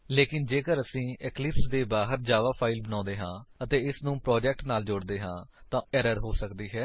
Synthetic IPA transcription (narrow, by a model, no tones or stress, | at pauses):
leːkɪnd͡ʒeːkəɾəsĩːɛklɪpsd̪eːbaːɦəɾd͡ʒaːʋaːpʰaːɪlbənãːnd̪eːɦãːət̪eːɪsnũːpɾɔːd͡ʒɛːk̚ʈnaːld͡ʒʊːɽd̪eːɦãːt̪ãːɛːɾəɾɦoːsəkd̪iːɦɛː